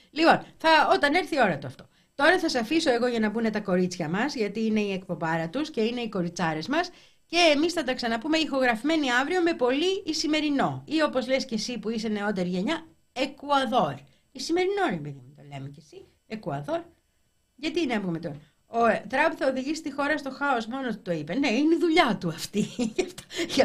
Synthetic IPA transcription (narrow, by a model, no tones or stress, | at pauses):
lipo̞nθɐo̞t̪ɐne̞ɾθio̞ɾɐt̪oɐft̪o̞ | t̪o̞ɾɐθɐsɐfiso̞e̞ɣo̞ʝɐnɐbune̞t̪ɐko̞ɾit͡sçɐmɐzʝɐt̪iːne̞iekpo̞bɐɾɐt̪usce̞ine̞iko̞ɾit͡sɐɾe̞zmɐs | ce̞ːmisθɐt̪ɐksɐnɐpume̞ixo̞ɣɾɐfime̞niɐvɾio̞me̞po̞liːsime̞ɾino̞io̞po̞zlesce̞sipuise̞ne̞o̞t̪e̞ɾiʝe̞ɲɐ | ekuɐðo̞ɾ | isime̞ɾino̞nempeðimut̪ole̞mecesi | ekuɐðo̞ɾ | ʝɐt̪iineɐmbɣomet̪o | ot̪ɾɐpuθɐoðiʝisi̥st̪ixo̞ɾɐst̪o̞xɐosmo̞not̪ut̪o̞ipɐne̞ineiðuʎɐt̪uɐft̪ijɐft̪o